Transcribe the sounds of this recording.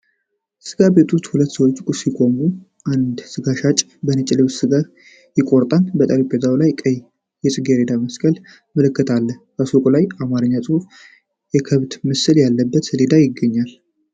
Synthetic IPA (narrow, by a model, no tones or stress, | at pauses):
sɨɡabe̞t̪ʰʼust̪hulət̪ːsəwo̞t͡ʃːkʼusikʼo̞mu | ʔand̪sɨɡaʃat͡ʃʼ | bənɨt͡ʃʼɪləwsɨɡa | jɪkʼo̞ɾt̪ʼanbət̪ʼaɾipʼezawlajkʼəj | jɛsʼɨɡeɾe̞d̪aməskʼəl | məlɨkːɨt̪ʰalːəbəsokʼulajamaɾəɲːasʼɨuf | jɛkʰəβd̪mɨsɨljalːəbːət̪led̪ajɪɡːəɲːal